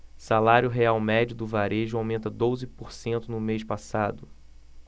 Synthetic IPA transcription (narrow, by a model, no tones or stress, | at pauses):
salaɾjʊɦeawmɛd͡ʒʊd̪ʊvaɾeʒʊawmẽnt̪ɐd̪ozɪpoɾsẽnt̪ʊnʊmeʃpasad̪ʊ